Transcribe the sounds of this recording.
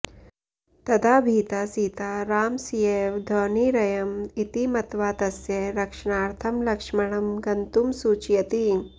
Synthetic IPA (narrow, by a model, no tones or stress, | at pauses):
t̪ɐd̪aːbʱiːt̪aːsiːt̪aːɾaːmsijeːʋd̪ʱoːniːɾɐjɐmit̪imɐt̪ʋaːt̪ɐsjɐɾɐkʂɐɳaːɾt̪ʰɐmlɐkʂmɐɳɐmɡɐnt̪umsuːt͡ʃjɐt̪i